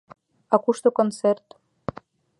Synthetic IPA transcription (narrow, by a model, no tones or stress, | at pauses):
ɑkuʃt̪okont͡sert̪